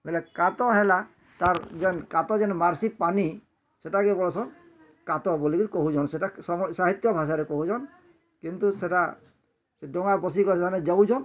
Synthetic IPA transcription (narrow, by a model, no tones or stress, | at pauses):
bɛlɛkat̪ɔɦɛla | t̪aɾd͡ʒɛnkat̪ɔd͡ʒɛnmaɾsipani | seʈakɛbɔlɔt͡ʃʰɔn | kat̪ɔbolikit̪ukɔɦud͡ʒɔnseʈasɔɔsaɦit̪ːjɔbʱaʃ̬aɾɛkɔɦud͡ʒɔn | kint̪useʈa | seɖɔŋabɔs̬ikɔɾʰaned͡ʒawd͡ʒʰɔn